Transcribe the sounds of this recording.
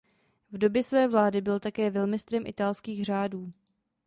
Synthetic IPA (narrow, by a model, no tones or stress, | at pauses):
vdo̞bjɛsvɛːvlaːdɪbɪlt̪akɛːvɛlmɪst̪ɾɛmʔɪt̪alskiːɣr̝aːduː